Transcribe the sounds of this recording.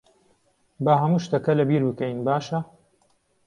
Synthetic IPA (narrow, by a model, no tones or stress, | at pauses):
bɐɦɐmuːʃt̪ɐkɐlɐbiːɾbɨkɐjnbaːʃɐ